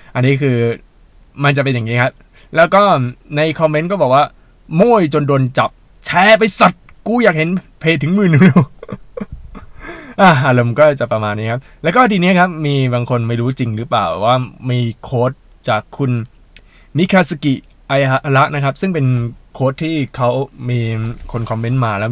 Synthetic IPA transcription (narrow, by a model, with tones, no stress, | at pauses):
ʔa˧nːiː˦˥kʰɯː˧ | ma˧nt͡ɕa˨˩p̬e˧njaː˨˩ŋiː˦˥kʰa˦˥p̚ | lɛː˦˥wkɔː˥˩na˧jkʰɔ˧me˦˥nkɔː˥˩bɔː˨˩k̚waː˥˩ | moː˥˩jt͡ɕo˧ndoː˧nt͡ɕa˨˩p̚ | t͡ɕʰɛː˦˥pa˧jsa˨˩t̪̚ | kuː˧˩jaː˨˩k̚ɦe˨˦npʰeː˨˩t̪ːʰɯ˩˦ŋmɯː˨˩nː˨˩u˧˥˩ | ʔa˧˩ʔa˧lo˧mkɔː˥˩t͡ɕa˨˩pɾa˧maː˧nːiː˦˥kʰa˦˥p̚lɛː˦˥wkɔː˥˩t̪ʰiː˧ni˦˥ɐkʰa˦˥p̚miː˧baː˧ŋkʰo˧nma˥˩jɾuː˦˥t͡ɕi˧ŋɾɯ˦˥pla̰ː˨˩wwaː˥˩miː˧kʰoː˦˥t̪̚ | t͡ɕaː˨˩kʰːu˧n | mi˦˥kʰaː˧sa˧ki˨˩ʔ | ʔa˧jʔla˦˥ʔna˦˥kʰp̚sɯ˥˩ŋpe˧nkʰoː˦˥t̪ʰːiː˥˩kʰa˦˥wmiː˧kʰo˧nkʰɔ˧mːe˦˥nmaː˧lɛː˦˥w